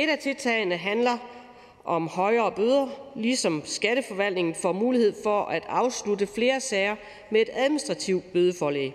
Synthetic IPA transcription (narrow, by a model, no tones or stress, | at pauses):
e̝ɾ̥æt͡sʰe̝lt͡sʰɛ̰ɪnəɦænlɐ | ʔɒ̽mhɒɪɐːb̥øð̞ˠɐlisɒ̽msɡ̥æd̥əfɒ̽ʋæl̰d̥ne̝ŋn̩fɒmuːlihe̝ð̰ˠfɒ̽ʔæd̥ɑ̈ʊsludəfle̝ːɐsɛɪɐ | mee̝d̥æðˠminisd̥ʁɑ̈t͡sʰiʊ̥b̥øð̞ˠəfɒːlɛ̰ɪ